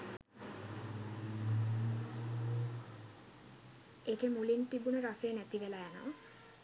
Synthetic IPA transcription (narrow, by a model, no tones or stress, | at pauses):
ekemulint̪ibunəɾaseːnæt̪iʋelæjana̰